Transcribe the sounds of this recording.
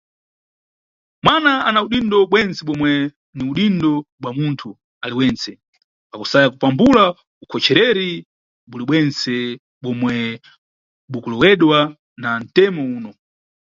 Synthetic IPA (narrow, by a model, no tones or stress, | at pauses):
mwanaanauɗindɔɓwɛnt͡sɛɓɔmwɛ | niuɗindɔɓwamuntʰu | aliwɛnt͡sɛ | pakusajakupambula | ukʰɔt͡ʃʰɛɾɛɾi | ɓuliɓwɛnt͡sɛ | ɓɔmwɛ | ɓukulɔwɛɗwa | nan̩tɛmɔuːnɔ